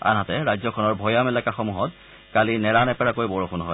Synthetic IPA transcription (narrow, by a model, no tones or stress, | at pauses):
a̰nɦatɛɹajzɔkʰɔnɔɹbʱɔjamɛlɛkaxɔmuɦɔt̚ | kalinɛɹanɛpɛɹakojbɔɹoxʰunɦɔj